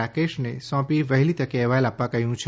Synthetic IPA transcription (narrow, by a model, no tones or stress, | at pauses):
akeʃnesɔ̃piʋəɦilit̪əkeɛʋajlapːãkəɦjũt͡ʃʰ